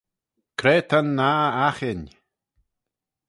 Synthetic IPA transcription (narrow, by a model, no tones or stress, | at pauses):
kʰɾeːt̪ʰanːaaxɪnʲ